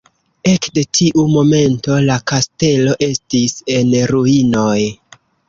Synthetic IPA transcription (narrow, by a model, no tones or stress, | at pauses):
e̞kde̞tʰiʔumo̞me̞nto̞lakaste̞lo̞ʔe̞stise̞nɾuino̞j